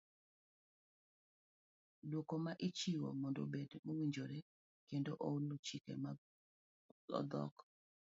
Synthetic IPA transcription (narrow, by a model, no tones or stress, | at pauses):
dwokomaʔɪt͡ʃiwo̰mɔndo̰bedmowiɲd͡ʒoɾe | kendoʔolot͡ʃikḛma | ɔ̰d̪ɔ̰k